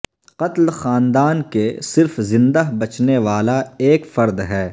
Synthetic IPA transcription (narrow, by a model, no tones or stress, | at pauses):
qɐt̪lxaːnd̪aːnkesɪɾfzɪ̃nd̪aɦbɐt͡ʃneʋaːlaeːkfɐɾd̪ɦɛː